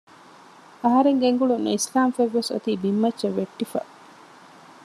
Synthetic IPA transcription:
ɐɦɐɾeŋɡeŋɡuɭunːṵislaːmfeʋːeso̰t̪iːbimːɐtt͡ʃːɐʋeʈːifɐ̰

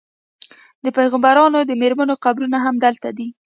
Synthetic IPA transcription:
d̪əpajɣambaɾɑnod̪əmeɾmanoqabɾunaɦamd̪əlt̪ad̪i

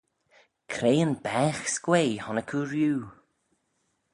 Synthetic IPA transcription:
kʰɾeːənbɛːxskweːhɔnəkʰuɾjuː

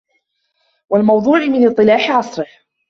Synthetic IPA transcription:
walmɑwd̪ˤuːʕɪmɪnɨt̪ˤːɨlaːħɪʕɑsˤɾɪh

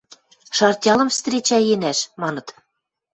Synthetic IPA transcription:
ʃɑrtʲɑlˠɤ̆mfst̪rʲet͡ɕæjenæʃmɑnɤ̆t̪

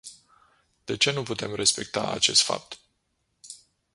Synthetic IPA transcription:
d̪̥e̞t͡ʃe̞nuput̪e̞mre̞spe̞k̚t̪aa̰t͡ʃe̞st̪fa̰p̚t̪

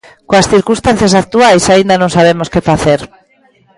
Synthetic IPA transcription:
koasθiɾkũst̪anθjasak̚t̪uajsaind̪anõŋsaβ̞emoskefaθeɾ

